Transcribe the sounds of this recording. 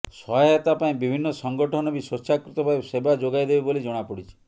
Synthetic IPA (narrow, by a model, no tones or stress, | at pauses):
sɔɔet̪apaĩbibʱinːɔsɔŋɡɔʈʰɔnɔbisɔʃakɾut̪ɔbʱajbsebad͡ʒoɡajd̪ebebolid͡ʒɔɽ̃apɔɽit͡ʃʰi̥